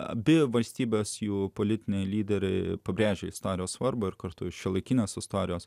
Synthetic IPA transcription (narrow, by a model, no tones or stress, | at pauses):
ɐ̰bʲɪʋɐlʲsʲt̪ʲiːbʲeːsjuːpoːlʲɪt̪ʲɪnʲɛɪlʲiːd̪ʲɛɾʲɛɪpɐbʲɾʲeːʒʲɛɪst̪oːɾʲɪjoːssʋɐɾboːɪɾkɐɾt̪ʊʃʲɛlˠɐɪkʲɪnʲeːsɪst̪oːɾʲɪjoːs